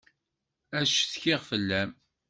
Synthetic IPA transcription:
æʃθçɪʁfəlːæm

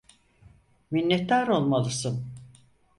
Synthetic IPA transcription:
minːɛt̪ːaɾo̞lˠmalˠɯsɯn

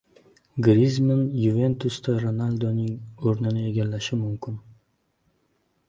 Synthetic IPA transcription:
ɡɾizmɪnjuve̞nt̪ʰʊst̪aɾonalʲd̪onɪŋoɾnɪnɪe̞ɡʲalːaʃɪmʊmkʲʰɪn

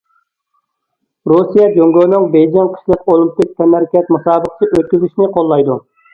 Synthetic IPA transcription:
ɾusijɛd͡ʒøŋɡʲøːnɪŋbejd͡ʒ̪ɛnqʰə̥ʃlˠəqolˠimpɪk̚ʲt̪ʰɛmɛɾkʲɛt̪musɑːbəqt̪ʰɨʔøt̪̚kʲyzyʃnɪqʰolˠːɑjd̪u

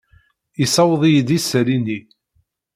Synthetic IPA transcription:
isɑwðˤijəd̪isɾini

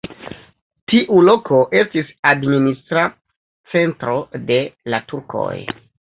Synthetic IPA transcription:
tiʔulo̞kʰo̞ʔe̞stisadministɾa | t͡se̞ntɾo̞de̞latuɾkʰo̰j

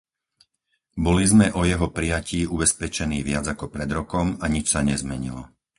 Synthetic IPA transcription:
bɔlizmɛʔɔjɛɦɔpɾijaciːubɛspɛt͡ʃɛniːʋɪad͡zakɔpɾɛd̪ɾɔkɔmaɲit͡ʃsaɲɛzmɛɲḭlɔ

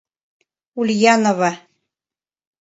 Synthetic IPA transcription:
ulʲjɑnoβɑ

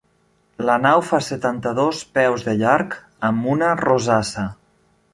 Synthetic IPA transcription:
lənawfasət̪ant̪əðospɛwzðəʎaɾk | əmunərozasə

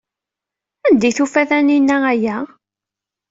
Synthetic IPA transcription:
ænd̪iθufæθæninːææjæ

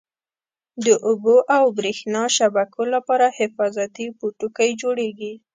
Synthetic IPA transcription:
d̪əʔʊboʔawbɾexnɑʃabakʰolapɑɾahɪfɑzat̪ipuʈukajd͡ʒoɽeɡi

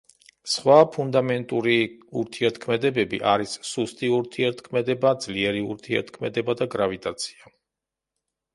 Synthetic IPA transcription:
sχwapʰund̪amɛnt̪ʼuɾiuɾt̪ʰiɛɾt̪ʰkʰmɛd̪ɛbɛbiʔaɾisːust̪ʼiuɾt̪ʰiɛɾt̪ʰkʰmɛd̪ɛbad̪zliɛɾiṵɾt̪ʰiɛ̰ɾt̪ʰkʰmɛd̪ɛbad̪aɡɾavit̪ʼat̪sʰi̥a

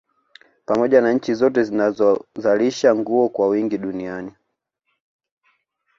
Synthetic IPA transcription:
pamɔʄanaɲ̩t͡ʃizɔtɛzinazɔzaliʃaŋɡuɔkwawiŋɡiɗuniani

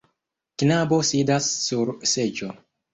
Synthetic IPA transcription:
knabo̞sidasːuɾse̞d͡ʒo

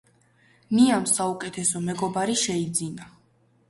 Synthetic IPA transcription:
niamsaukʼɛt̪ʰɛsɔmɛɡɔbaɾiʃɛid̪zina

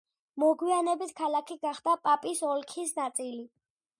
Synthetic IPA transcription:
mɔɡwianɛbit̪ʰkʰalˠakʰiɡaχd̪apʼapʼisɔlkʰisnat̪sʼili

